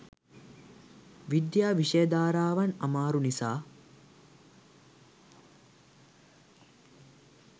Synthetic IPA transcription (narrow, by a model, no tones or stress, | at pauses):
ʋid̪jaːʋiʃejɐd̪aːɾaːʋɐnɐmaːɾunisaː